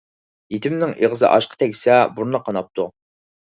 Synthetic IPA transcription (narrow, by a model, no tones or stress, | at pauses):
jit̪ʰɪmnɪŋeʁzɨ̰ʔɑ̰ʃqʰə̥t̪ʰɛkʲsɛbuɾnəqʰɑnɑp̚t̪ʰu